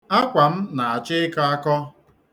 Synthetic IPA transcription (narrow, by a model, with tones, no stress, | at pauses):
a˦kʷa˨m̩˦na˨a˨t͡ʃɪ˦ɪ˦ka˦a˦kɔ˦